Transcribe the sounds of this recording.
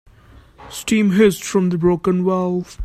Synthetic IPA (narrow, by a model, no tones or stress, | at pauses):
sʈĩːmɦɪstfɹɔ̃md̪əbɹoʊkə̃nwɛlˠθ